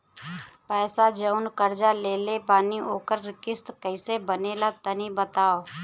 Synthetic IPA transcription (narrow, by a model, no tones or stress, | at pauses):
pɛːsad͡ʒəʊnkəɾd͡ʒaleːlepaːnioːkəɾːɪkɪst̪kəɪsebəneːlat̪ənibət̪aːoː